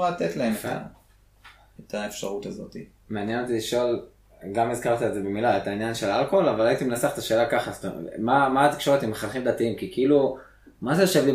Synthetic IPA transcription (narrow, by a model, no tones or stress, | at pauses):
alt̪et̪laemea̰ | et̪ʰaefʃaʁut̪azo̞t̪i | meanjeno̞t̪iliʃo̞l | ɡamizkaʁt̪ietzebe̞milaet̪ainjanʃe̞lalkoolavalait̪imenaseaχe̥t̪aʃe̞ːlakaχast̪omamaːt̪i̥kʃo̞ʁet̪imeχalχimd̪at̪iimkikiilu | maʃejoʃevli